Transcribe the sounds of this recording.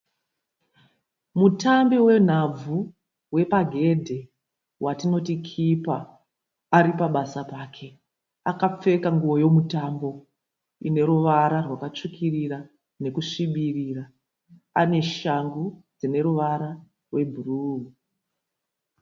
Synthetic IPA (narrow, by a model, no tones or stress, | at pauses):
mutambewe̞n̤ab͡vu | we̞paɡʱe̞dʱe̞ | wʔatino̞tikʰipaː | ɾipaɓasapaːkʰe̞ | akap͡fe̞kaŋɡuwo̞jo̞mutambo̞ | ḭne̞ɾuʋaɾarwakat͡ʂikʰirira | ne̞kuʂiɓiriːra | ane̞ʃaŋɡud͡zine̞ɾuʋaɾa | rwe̞bʱuruːu